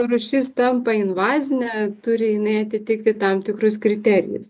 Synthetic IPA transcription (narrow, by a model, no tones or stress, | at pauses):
rʊʃʲɪst̪ɐmpɐɪnʋɑːzʲɪnʲɛt̪ʊɾʲɪjɪnɐɪɐt̪ʲɪt̪ʲɪkt̪ʲɪt̪ɑmt̪ʲɪkɾʊskɾʲɪt̪ʲæɾʲɪ̰jʊ̰s